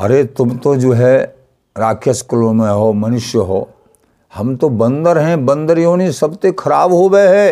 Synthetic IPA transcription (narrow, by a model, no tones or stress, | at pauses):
ɐ̰ɾet̪ʊmt̪od͡ʒoːɦɛ | ɾaːkʰjəskʊlõmẽɦoːmɐnʊʃjəɦo̰ː | hɐmt̪obɐ̃nd̪əɾɦɛ̃bɐ̃nd̪əɾjoːnisɐbt̪ekʰɐɾaːbɦoɡəeɦɛː